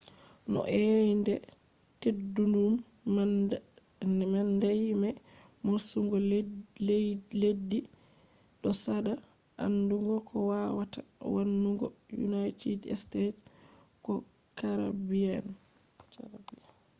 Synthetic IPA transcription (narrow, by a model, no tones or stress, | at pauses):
nɔ̰ʔɛjndɛ | tedːunum | mandajimɛ | maɾsuŋɡɔ | ledːi | ɗɔsada | ʔanduŋɡɔkʰɔwawata | wanːuŋɡɔ̰jṵnajtidɛ̰stet | kɔ | kaɾa̰biɛn